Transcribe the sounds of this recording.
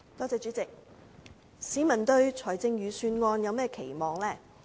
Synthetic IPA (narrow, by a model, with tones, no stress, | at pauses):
t̪ɔː˧˥t͡sɛː˨˧t͡ʃy˨˧˥t͡sɪ˨k̚ | siː˨˥mɐ˨˩nt̪ɵ˧ɥt͡ʃʰɔː˨˩jt͡sɪ˧ŋjyː˨˧syː˧nŋɔː˧njɐ˨˧wmɛː˥˩kʰe˨˩jmɔː˨ŋlɛː˥˩